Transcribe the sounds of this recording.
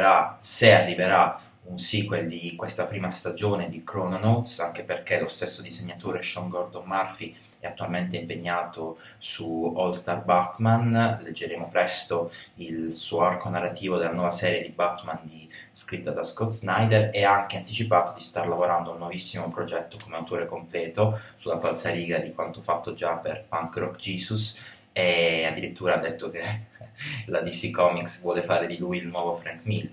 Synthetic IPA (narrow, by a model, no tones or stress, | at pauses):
ɾasearːiveɾa | unsikweld̪ikwest̪apɾiːmast̪ad͡ʒoːned̪ikɾɔnonowt̪saŋk̟eperkelost̪esːod̪izeɲːat̪oːɾeʃɔŋɡɔrd̪ommarfi | ɛat̪ːualment̪eimpeɲːaːt̪o | suɔlst̪arbat̪manled͡ʒːeɾeːmopɾɛst̪oilsuːoarkonarːat̪iːvod̪elːanwɔːvasɛːɾjed̪ibat̪mand̪i | skɾit̪ːad̪askɔt̪znajd̪eɾeaŋkeant̪it͡ʃipaːt̪od̪ist̪arlavoɾand̪ounːwɔvisːimopɾod͡ʒɛt̪ːokomeawt̪oːɾekomplɛːt̪osulafalsaliːɡad̪ikwant̪ofat̪ːod͡ʒapḛrpaŋkrɔkd͡ʒiːsus | ead̪ːiɾit̪ːuːɾad̪ːet̪ːoke | lad̪isikɔmiksvwɔːlefaːɾed̪ilujilnwɔːvofɾɛnk̪mil